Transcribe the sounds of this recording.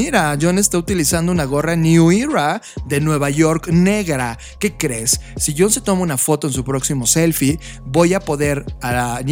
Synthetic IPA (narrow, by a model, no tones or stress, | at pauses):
iɾaʝonest̪aut̪ilisand̪ounaɣo̞ranjuiɾaðenwe̞βaʝo̞ɾkne̞ɣɾa | ke̞kɾe̞sːiʝo̞nset̪o̞mounafo̞t̪o̞ensupɾo̞ksimo̞se̞lfi | βo̞japo̞ðe̞ɾan